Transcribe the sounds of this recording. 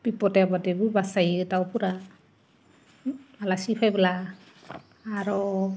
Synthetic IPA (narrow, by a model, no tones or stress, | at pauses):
b̥ipɔtebadebubasajɯtawpʰuɾa | alasipʰajbala | ɾɔ